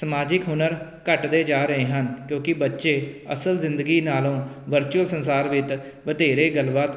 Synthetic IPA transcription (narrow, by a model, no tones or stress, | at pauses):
səmaːd͡ʒɪkɦʊnəɾkəʈd̪eːd͡ʒaːɾəɦeːɦənkjõːkɪbətːʃeːə̰səlzɪnd̪əɡiːnaːlõːʋəɾt͡ʃuəlsənsaːɾʋɪt̪ | ʋəd̪eːɾeːɡəlʋaːt̪